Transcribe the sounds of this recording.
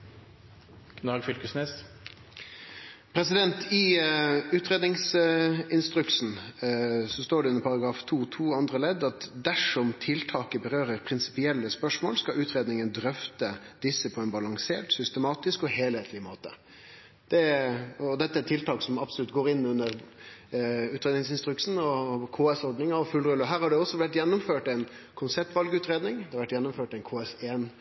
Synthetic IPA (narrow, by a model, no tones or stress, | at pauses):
knɑːɡfʏlkəsnes | pʰɾɛsɪd̪ɛnt̪ɪ | ʉːt̪ɾeːd̪nɪŋsɪnst̪ɾʉksn̩ | sɔst̪oːɖɛʉnəɾpʰɑɾɑɡɾɑːft̪ʰuːt̪ʰuːɑnd̪ɾəlɛd̪ːɑt̪d̪æʂɔmt̪ʰɪlt̪ʰɑːkəbəɾøːɾəɾpʰɾɪnsɪ̥pɪɛlːəspœʂmo̰ːlskɑʉːt̪ɾeːd̪nɪŋənd̪ɾœft̪əd̪̥ɪsːəpʰɔɛnbɑlɑŋseːʈsʏst̪əmɑːt̪ɪskɔheːlheːt̪ʰlɪmoːt̪ə | d̪̥ɛɔd̪ɛt̪ːəæt̪ʰːɪlt̪ɑːksɔmɑpsɔlʉt̪ɡoːɾɪnːʉnəɾ | ʉːt̪ɾeːd̪nɪŋsɪnst̪ɾʉksn̩ɔkʰoːɛsɔɾɖnɪŋɑɔfʉlːɾʉlɔɦæːɾhɑɖɛɔsːɔʋæʈːjɛnːɔmføːʈɛn | kʰʊnsɛp̚t̪ʋɑlɡʉːt̪ɾeːd̪nɪŋd̪ɛhɑɾʋæʈjɛnːɔmføːʈɛɪnkʰoːɛseːn